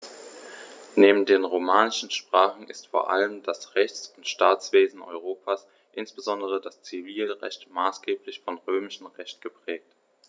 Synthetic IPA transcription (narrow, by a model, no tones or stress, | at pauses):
neːbm̩deːnʁomaːnɪʃn̩ʃpʁ̥aːχn̩ʔɪstfoːɐʔa̰ləmdasʁɛçt͡sʊntʃtaːt͡sv̥eːzn̩ʔɔ̰ʏʁ̞oːpʰaːs | ʔɪnsb̥əzɔndəʁədast͡siviːlʁɛ̰çtmaːsɡ̥eːplɪçfɔnʁøːmɪʃn̩ʁɛçt̚ɡ̥əpʁ̥ɛːk̚t